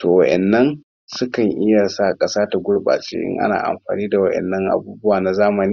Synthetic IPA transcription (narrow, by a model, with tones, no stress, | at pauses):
toː˨wɐ˦ʔɛ̰˨nːɐ˦n | sʊ˦kɐ˨ŋʔɪ˦ja˨sa˦˨kʼɐ˦saː˦ta˨ɡʷʊ˦ɽba̰ː˨t͡ʃʼḛː˦ʔɪ̰˦ŋʔa̰˦na̰ː˨ʔa̰˨mɸaː˨niː˦da˨wɐ˦ʔɛ̰˨nːɐ˦ŋʔa̰˨buː˦bʊ˦waː˨na˨zaː˦mɐ˨niː˦